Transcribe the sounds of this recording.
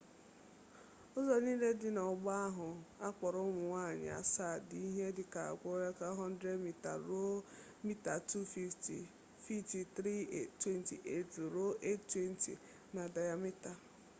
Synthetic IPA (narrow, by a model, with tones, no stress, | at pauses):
ɔ˦zɔ˨niː˦le˦dɪ˦nɔ˨ɡ͡ba˦a˦ɦʊ˨a˦k͡pɔ˨ɾʊ˦ŋʷʊ˨ŋʷa˦˨ɲɪ̰˨a̰˨sa˦˨di˦ɦe˦dɪ˨ka˨a̰˨ɡʷo˦ɾe˦ka˦ɦɔ˦n̩˦dɾe˦dmi˦ta̰˨ɾo˦ | mi˦ta˨tu˦fi˦fti˨ | fi˦fti˨tɾi˦e˨twe˦n˦tḭ˨ʔe˦to˨ɾo˦ʔe˦ttwe˦n̩˦ti˨ | na˨da˨ja˨mi˦ta˨